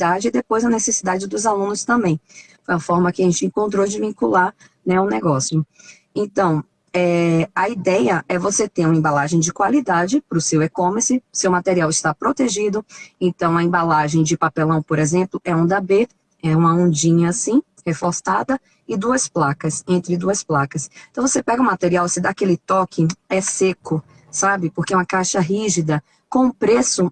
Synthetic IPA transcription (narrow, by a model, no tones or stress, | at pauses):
d̪ad͡ʒɪɪd̪epojzɐnesesid̪ad͡ʒɪd̪ʊzalũnʊst̪ɐ̃mbẽj̃ | fojɐfɔɾmɐkɪaʒẽnt͡ʃɪẽŋkõnt̪̬ɾod͡ʒɪvĩŋkulaɾ | nɛʊnɛɡɔsiʊ | ẽt̪ɐ̃w̃ | ɛɐid̪ɛjɐʔɛvoset̪eɾũɐẽbalaʒẽj̃d͡ʒɪkwalid̪ad͡ʒɪpɾʊsewekõmeɾsɪʊsewmat̪eɾiawɪst̪apɾot̪eʒid̪ʊẽnt̪ɐ̃w̃ɐẽbalaʒẽj̃d͡ʒɪpapelɐ̃w̃poɾezẽmplʊʔɛũd̪abe | ɛũmɐõd͡ʒĩɲɐːsĩ | hefost̪ad̪ɐ | ɪd̪uɐsplakɐsẽnt̪ɾɪd̪uɐsplakɐst̪ɐ̃vosepɛɡɐũmat̪eɾiawvosed̪akelɪt̪ɔkʰɪɛsekʊ | sabɪpoɾkeɛũɐkajʃɐɦiʒid̪ɐ | kõũpɾesʊ